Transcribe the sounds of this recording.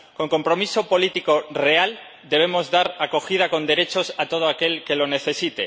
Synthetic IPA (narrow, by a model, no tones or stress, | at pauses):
ko̞ŋko̞mpɾo̞miso̞po̞lit̪iko̞re̞al | d̪e̞β̞e̞mo̞zðaɾako̞xiðako̞nd̪e̞ɾe̞t͡ʃo̞sat̪o̞ðoake̞lke̞lo̞ne̞θe̞sit̪e̞̰